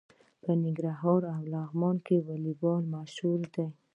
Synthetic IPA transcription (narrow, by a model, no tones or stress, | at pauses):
pənɪŋɡɾaɦɑɾawlaɣmɑnkewalibɑlmaʃhuld̪aj